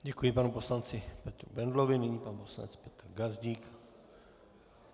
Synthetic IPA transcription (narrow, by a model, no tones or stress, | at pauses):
ɟɛkujɪpanuposlant͡sɪpɛt̪ɾubɛnd̪lovɪnɪɲipanuposla̰nɛ̰t͡spɛt̪ɾɡazɟiːk